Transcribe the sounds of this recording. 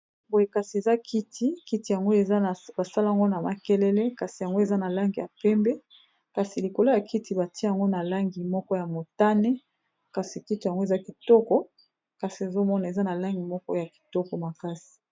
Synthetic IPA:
bo˨je˨ka˨si˨e˨za˦kʰi˦tʰi˦ki˦ti˨ja˨ŋɡo˦e˨zba˨sa˦la˦a˨ŋɡo˦na˨ma˨kɛ˦lɛ˦le˦ka˨si˨ja˨ŋɡo˦e˨za˦na˨la˦ŋɡi˨ja˨pɛ˦mbɛ˦ | ka˨si˨li˨ko˨lo˦ja˨ki˦ti˨ba˨ti˦˨ŋɡo˦na˨la˦ŋɡi˨mɔ˦kɔ˦ja˨mo˨ta˦nɛ˦ | ka˨si˨ki˦ta˨ŋɡo˦e˨za˦ki˨tɔ˦kɔ˦ | ka˨si˨e˨zo˦mɔ˦na˨e˨za˦na˨la˦ŋɡi˨mɔ˦kɔ˦ja˨ki̥˨tɔ˦kɔ˨ma˨ka˦si̥˨

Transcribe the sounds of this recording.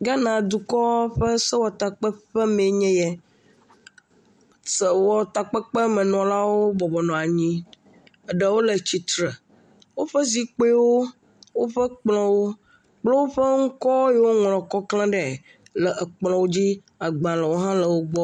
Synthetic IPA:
ɡa˦nã˨d̪u˨kɔ˦ɸə˦sə˦wɔ˨t̪a˨k͡pɛ˦ɸɛ˦mẽ˨ɲɛ̃˦jɛ˨ | sə˨wɔ˨t̪a˨k͡pə˦k͡pə˦mɛ̃˨nɔ̃˨la˦wo˦bɔ˨bɔ˨nɔ̃˨a˨ɲĩ˦ | ə˨ɖə˨wo˦lə˨t͡ɕi˨t̪ɾə˨ | wo˦ɸə˦zi˦k͡pe˦wo˦ | wo˦ɸə˦k͡plɔ̃˦wo˦ | k͡plɔ˦wo˦ɸə˦ŋ̩˦kɔ˦jɛ˨˦wo˦ŋlɔ̃˨kɔ˦klã˦ɖɛ˨ | lə˨ʔə˨k͡plɔ̃˨wo˦d͡ʑi˦ | a˨ɡ͡bã˨lə˨wo˦ɦã˦lə˨wo˦ɡ͡bɔ˦

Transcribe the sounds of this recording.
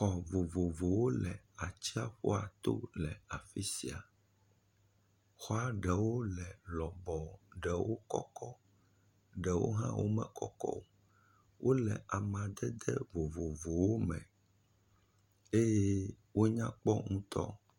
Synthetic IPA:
xɔ˨vo˨vo˨vo˨wo˦lɛ˨ | a˨t͡ɕi˦a˦ɸo̰˦a˨t̪o̰˦lɛ˨a˨fi˦si˨a˨ | xɔ˦a˨ɖɛ˨wo˦lɛ˨lɔ˨bɔ˨ɖɛ˨wo˦kɔ˦kɔ˦ | ɖɛ˨wo̰˦ɦã̰˦wo̰˦mɛ̃˨kɔ˦kɔ̰˦o˨ | wʔo˦lɛ̰˨ʔa˨mã˨d̪ɛ˦d̪ɛ˦vo˨vo˨vo˨wo˦mɛ̰̃˨ | e˦je˦ | wo˦ɲã˦k͡pɔ˦ŋũ˦t̪ɔ̰˦

